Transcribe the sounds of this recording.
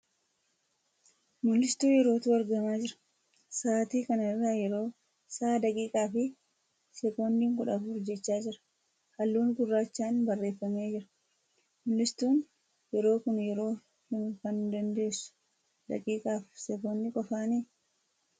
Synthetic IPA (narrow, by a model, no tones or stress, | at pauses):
mʊlːɪst̪uːjɛɾo̞ːt̪ʊɐɾɡɐmaːd͡ʒɪɾɐ̥ | saːt̪iːkɐnrːaːjɛɾo̞ː | saːd̪ɐkʼiːkʼaːfɪ | sɛkoːnd̪iːŋkʊᶑɐfʊɾd͡ʒɛt͡ʃːaːd͡ʒɪɾɐ̥ | hɐlːuːnɡʊrːaːt͡ʃːaːnbɐrːe̞ːfːɐme̞ːd͡ʒɪɾɐ̥ | mʊlːɪst̪uːn | jɛɾo̞ːkʊnjɛɾo̞ː | hɪŋkɐnd̪ɐnd̪e̞ːsʊ̥ | d̪ɐ̰kʼiːkʼaːfsɛkoːnd̪ɪkʼɔfaːniː